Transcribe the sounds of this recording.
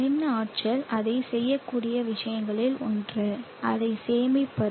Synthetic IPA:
ɪnːaːʈ̚t͡ʃɐlʔɐðɐɪsɛjːɐkːuːɽɪjɐʋɪʂɐjɐŋɡɐɭɪlɔndrɐ | ʔɐðɐɪseːmɪpːɐ

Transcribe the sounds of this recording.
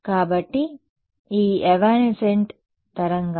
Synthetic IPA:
kaːbɐʈːi | iːeʋaːneseɳʈ | t̪ɐɾɐŋɡ

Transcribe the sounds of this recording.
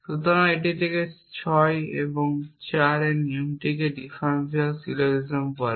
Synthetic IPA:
ʃut̪oɾaeʈ̬it̪ʰeke | t͡ɕʰɔjḛboŋt͡ɕaɾeniumʈikeɖifansialsiloɾizompɔɾ

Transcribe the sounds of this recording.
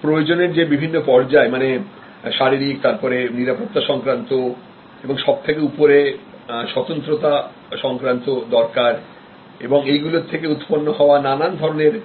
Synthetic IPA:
pɾojod͡ʑoneɾd͡ʑebibʱinːopɔɽd͡ʑaemane | ʃaɾiɾikt̪aɾpɔɾeniɾapot̪ːaʃɔŋkɾant̪o | eboŋʃɔb̚t̪ʰek̬eupoɾe | ʃɔt̪ont̪ɾot̪a | ʃɔŋkɾant̪od̪ɔɾkaɾ | eboŋejɡulot̪ʰekeut̪ponːoɦɔoananand̪ʱɔɾoneɾ

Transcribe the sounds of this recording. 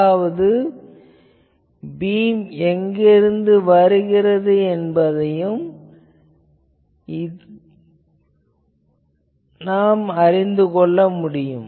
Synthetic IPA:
ʋɐðɯ | biːmɛŋɡɪɾɯnd̪ɯʋɐɾɯɣɪrɐðɯɛnbɐðɐjɯm | ɪ | naːmɐɾɪnd̪ɯkɔɭːɐmʊɽɪjɯm

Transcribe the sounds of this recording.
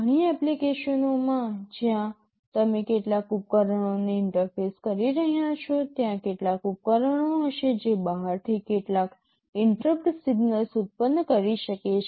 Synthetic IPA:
əɽ̃iɛplikeʃənomãd͡ʒjã | t̪əmekeʈlakup̚kəɾəɳ̃oneɪɳʈəɾfeskəɾiɾəɦjat͡ʃʰot̪jãkeʈlakup̚kəɾəɳ̃oɦəʃed͡ʒebəɦaɾt̪ʰikeʈlak | ɪɳʈɾəpɾesiɡnəlsut̪̚pənːkəɾiʃəket͡ʃʰe

